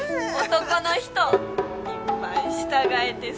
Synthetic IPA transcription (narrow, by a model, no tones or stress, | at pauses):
ot̪oko̞noçi̥t̪oɲimaiɕi̥t̪aɡaet̪e